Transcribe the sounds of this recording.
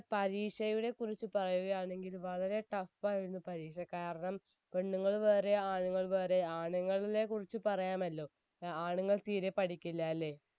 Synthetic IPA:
pɐɾiːkʂɐjuɽe̞kurit͡ɕːupɐrɐjuɣɐjaːɳe̞ŋɡilʋɐɭɐɾe̞ʈɐfːaːjiɾunːupɐɾiːkʂɐkaːɾɐɳɐm | ʋeɳːuŋːɐɭʋeːre̞aːɳuŋːɐɭʋeːɾe̞aːɳɐŋːɐɭile̞kurit͡ɕːupɐrɐjaːmɐlːo̞ː | aːɳuŋːɐɭt̪iːɾepɐɽikʲːilːɐːlːe̞ː

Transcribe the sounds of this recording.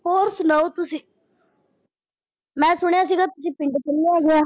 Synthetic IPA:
poːɾsnəot̪ʊsiː | mɛ̃ːsʊɽ̃jaːs̬iːɡaːt̪ʊsĩːpɪ̃ɳɖkɪlːejaːɡɪaː

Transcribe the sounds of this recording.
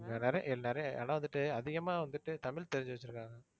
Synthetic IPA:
ɐnɛɾɐj̰̃ʔɪlnɛɾɐja̰ːnaːʋɐnd̪ɯʈːɯɐðɪɣɐmaːʋɐnd̪ɯʈːɯt̪ɐmɪlt̪ɛɾɪɲd͡ʒɯʋɐt͡ʃːɪɾɯkːaːŋɡɐ

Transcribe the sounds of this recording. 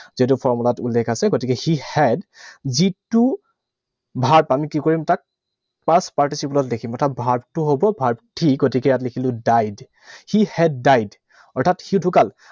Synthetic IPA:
zit̬upʰɔɹmulatulːɛkʰasɛɡotikɛxihɛdzitːu | bʱaɹpamikikoɹimtak̚ | paɹspaɹtisiplɔtdekʰimɔɹtʰat̚bʱaɹptʊɦobɔbʱaɹp̚tʰikɡotikɛjat̬likʰilʊ̃dajd | xihɛdːajd | ɔɹtʰatxidʱukal

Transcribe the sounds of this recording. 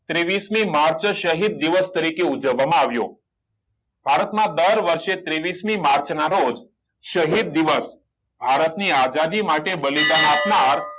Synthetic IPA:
t̪ɾeʋismimaɾt͡ʃʃəɦid̪̚ːiʋəst̪əɾikeud͡ʒəʋːamãaʋjo̰ | bʱaɾət̪mãd̪əɾʋəɾʃet̪ɾeʋismimaɾt͡ʃnaɾod͡ʒ | ʃəɦid̪̚ːiʋəs | bʱaɾət̪niad͡ʒad̪imaʈebəlid̪anapnaɾ

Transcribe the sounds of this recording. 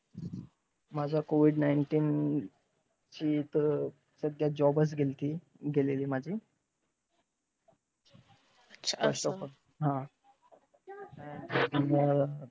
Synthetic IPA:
mad͡zʱakoʋiɖnajɳʈiːn | t͡ɕiːt̪ə | səɡ̪jad͡ʑɔbət͡sɡʱelt̪iː | ɡʱeleliːmad͡ʑʱiː | ɕəsɔkə | ɦã | imə

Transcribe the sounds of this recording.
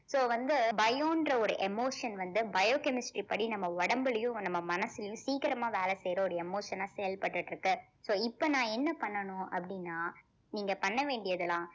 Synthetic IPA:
soːʋɐnd̪ɯbɐjoːndrɐɔɾɯʔɛmoːʂɐnʋɐnd̪ɯbɐjoːkɛmɪsʈɾipɐɽinɐmːɐɔɽɐmbɯlɐjʊ̃nɐmːɐmɐnɐsːɪlɪjʊ̃siːkɪɾɐmaːʋeːlɛsɛjɾɐɔɾɯɛmoːʂɐnaːsɛjɐlpɐʈːɯʈːɾɯkːɯ | soːɪpːɐnãːɛnːɐpɐɳːɐnʊ̃ɐ̰pːɐɽɪnːaː | niːŋɡɐpɐɳːɐʋeːɳɖɪjɐðɐlãː

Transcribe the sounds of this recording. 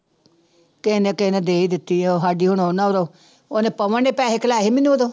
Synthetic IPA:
kenekenẽːd̪eːid̪ɪt̪ːiːɛoːɦaːɖiːɦʊnoːnaːɾoː | oːnẽːpəʋəneːpɛːɦekəlaːɦimɪnːũːod̪oː

